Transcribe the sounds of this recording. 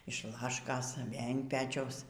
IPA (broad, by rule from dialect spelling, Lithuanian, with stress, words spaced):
ɪʃ ˈlˠɑːʃkoːs ˈʋʲeːlʲ ɪn ˈpʲæːt͡ʃʲɛʊs